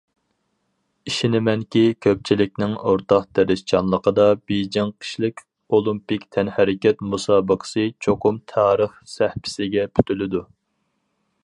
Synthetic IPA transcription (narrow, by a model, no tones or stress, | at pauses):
iʃinɪmɛŋkʲikʲʰøp̚t͡ʃʰilɪkʲnɪŋoɾt̪ɑqd̪ɛɾɪʃt͡ʃʰɑnlˠəqəd̪ɑbejd͡ʒɪŋqʰə̥ʃlɪkʲ | olˠumpikʲt̪ʰɛnhæɾɪkʲɛt̪musɑːbəqʰə̥sɨt͡ʃʰoqʊmt̪ʰɑːɾəχsæhpʰɪ̥sɪɡʲɛpʰy̥t̪ʰylɪd̪u